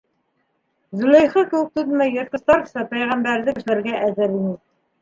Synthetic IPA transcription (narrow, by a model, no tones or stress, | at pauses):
zulæjχɤkɘ̆wɘk̚t̪ɵðmæjːɤ̆ɾt̪̚qɤ̆st̪ɑɾsɑpæjʁæmbæɾðɘkɘ̆ʃlæɾɡæʔæðɘɾinɘ